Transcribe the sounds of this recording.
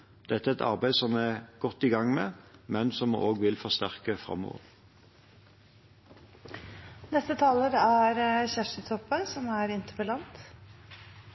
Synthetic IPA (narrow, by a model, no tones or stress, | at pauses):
d̪̥ɛt̪ːəæɛɛt̪ʰɑ̰ʁbæɪsɔmæɡ̥ɔt̪ːiɡɑŋmeːmɛnsɔm̰ʔoːɡʋɪlfɔʁst̪æʁkəfʁɑ̰mːo̰ːʋə̰ʁ | nɛst̪ət̪ʰɑːləɾæɾçæʂət̪ʰɔpːəsɔmæːɾɪnt̪əpəlɑnt̪